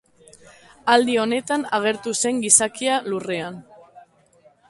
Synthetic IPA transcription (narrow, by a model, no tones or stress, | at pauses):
ald̪io̞ne̞t̪anaɣ̞e̞ɾt̪use̞ŋɡisakialurean